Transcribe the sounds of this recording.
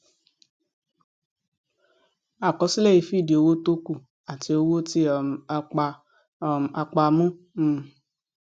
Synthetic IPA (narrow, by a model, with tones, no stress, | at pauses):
a˨kɔ˨˧˦si˦lɛ˦˨i˨˧fi˦˨di˨o˧wo˦to˦ku˦˨ | a˨ti˧o˧wo˦ti˦˨˧ | a˧k͡pa˧mũ˦ | m̩˦˧